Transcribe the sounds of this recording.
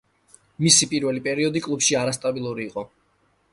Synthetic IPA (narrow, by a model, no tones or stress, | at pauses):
misipʼiɾvɛlipʼɛɾiɔd̪ikʼlˠupʃiaɾast̪ʼabilˠuɾiːqʼɔ